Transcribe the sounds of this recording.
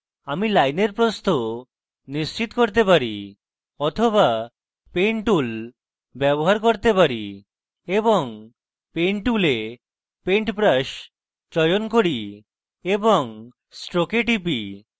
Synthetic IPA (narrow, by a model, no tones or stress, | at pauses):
amilajneɾpɾost̪o | nist͡ɕit̪koɾt̪epaɾḭ | ɔt̪ʰoba | peɳʈul | bɛboɦaɾkoɾt̪epaɾi | eboŋ | peɳʈule | peɳʈpɾaʃ | t͡ɕɔjonkoɾi | eboŋ | sʈɾokeʈipi